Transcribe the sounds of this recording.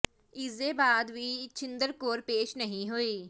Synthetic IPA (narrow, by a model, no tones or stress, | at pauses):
ɪzebaːd̪ʋiːt͡ʃɪ̃nd̪əɾkoːɾpeːʃnəɦĩɦoiː